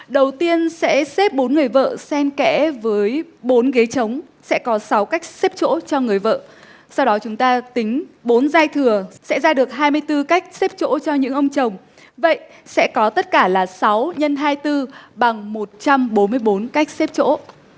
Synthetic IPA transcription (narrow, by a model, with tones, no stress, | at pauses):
ɗə˨˩wt̪i˧ənsɛ̰˧˥se˦˥p̚ɓo˨˦nŋɨ˨˩əjvə̰ː˧˨sɛ˧nkɛ̰˧˥vəː˨˦jɓo˨˦nɣe˨˦t͡ɕə˨˦wŋ͡m | sɛ̰˧˥kɔ˨˦sa˨˦wka˦˥jk̟̚se˦˥p̚t͡ɕo̰˧˥t͡ɕɔ˧ŋɨ˨˩əjvə̰ː˧˨ | sa˧wɗɔ˨˦t͡ɕʊ˨˦ŋ͡mt̪aː˧t̪ï˨˦ŋ̟ɓo˨˦nzaː˧jt̪ʰɨ˨˩əsɛ̰˧˥zaː˧ɗɨ˨˩ək̚ɦaː˧jmɨ˧əjt̪ɨ˧ka˦˥jk̟̚se˦˥p̚t͡ɕo̰˧˥t͡ɕɔ˧ɲɨ̰˧˥ŋʔə˧wŋ͡mt͡ɕə˨˩wŋ͡m | və̰˧˨jʔ | sɛ̰˧˥kɔ˨˦t̪ə˦˥t̚kaː˧˩laː˨˩sa˨˦wɲə˧nɦaː˧jt̪ɨ˧ɓa˨˩ŋmo˨˩t̚t͡ɕa˧mɓo˨˦nmɨ˧əjɓo˨˦nka˦˥jk̟̚se˦˥p̚t͡ɕo̰˧˥